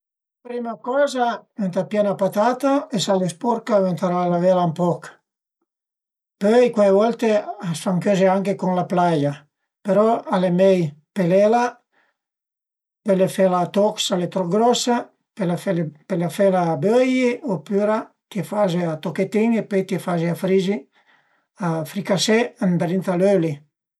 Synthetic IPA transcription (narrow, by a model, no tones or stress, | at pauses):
pɾimakɔːzament̪apjɛnapat̪at̪aesalespɔɾkavent̪aɾalavelampɔk | pøjkwavɔlt̪easfaŋkøzeaŋkekoŋlaplaja | peɾɔalemɛjpelela | pelefelaːt̪ɔksalet̪ɾɔɡɾɔsa | pelaepelafelaːbøjiopyɾa | t̪iefazeat̪oket̪iŋepøjt̪iefazeafɾizi | afɾikasɛand̪ɾint̪aløli